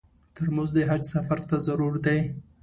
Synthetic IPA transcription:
t̪əɾmuzd̪əɦad͡ʒsafaɾt̪azaɾuɾd̪aj

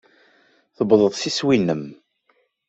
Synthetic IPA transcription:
θəbðˤəðˤsiswinːəm

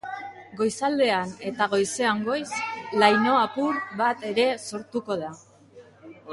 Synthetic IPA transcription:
ɡo̞jsald̪e̞ane̞t̪aɣ̞o̞jse̞aŋɡo̞jslajno̞apuɾβat̪e̞ɾe̞so̞ɾt̪uko̞ð̞a

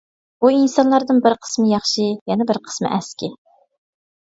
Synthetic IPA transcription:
buinsɑnlˠɑɾd̪ɨnbɪɾqʰə̥smɨjɑχʃɨjɛnɛbɪɾqʰə̥smɨ̰ʔɛskʲi

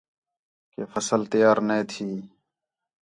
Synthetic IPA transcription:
keːfəsəlt̪ɪjaːɾneːt̪ʰiː

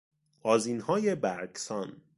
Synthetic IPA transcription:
ʔɒːziːnhɒːjebæɾksɒːn

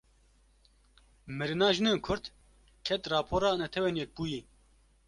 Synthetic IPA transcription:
mɨɾɨnɑːʒɨneːnkʰʊɾt̪ | kʰɛt̪rɑːpʰoːɾɑːnɛt̪ʰɛweːnjɛk̚buːji

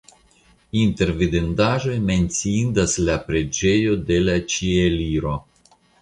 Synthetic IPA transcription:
int̪e̞ɾvid̪end̪aʒo̞jme̞nsiind̪aslapɾe̞d͡ʒe̞jo̞d̪e̞lat͡ʃieliɾo̞

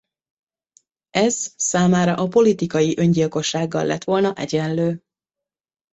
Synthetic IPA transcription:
ɛz̥saːmaːɾɒʔɒpo̞lit̪ikɒjiʔø̞ɲɟilko̞ʃːaːɡːɒlːɛ̰t̪ʋo̞lnɒʔɛɟɛnløː

